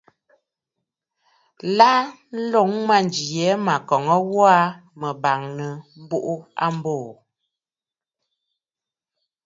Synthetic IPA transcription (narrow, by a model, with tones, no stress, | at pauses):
la˦n̩˦lo˦ŋma˦˨n˨d͡ʒi˨jɛ˨˦ma˨kɔ˨ŋə˦wɔ˦a˦mə˨ba˨ŋnə˨m̩˦bu˦ʔu˦a̰˦m˦boː˦˨